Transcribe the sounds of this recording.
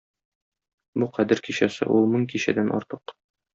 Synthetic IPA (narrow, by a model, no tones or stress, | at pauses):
buqæd̪ɘɾkiɕæsɘ̰ʔulˠmɤŋkiɕæd̪ænʔɒ̰ɾt̪ɤq